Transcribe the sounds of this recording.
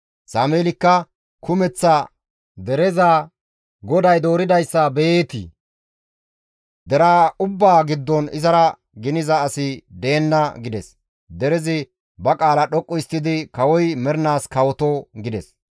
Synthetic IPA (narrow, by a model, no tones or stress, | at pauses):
saːmeːlɪkːɐ | kʊmɛt͡sːɐ | d̪ɛɾɛzɐ | ɡɔd̪ɐjd̪o̞ːɾɪd̪ɐjsːɐbeeːt̪ɪ̰ | d̪ɛɾaːʊbːaːɡɪd̪ːɔnɪ̰zɐɾɐ | ɡɪnɪzɐːsɪd̪e̞ːnːɐɡɪd̪ɛs | d̪ɛɾɛzɪ | bɐkʼaːlɐɗɔkʼːɔɪst̪ːɪd̪ɪkɐwɔjmɛɾnaːskɐwɔt̪ɔɡɪd̪ɛs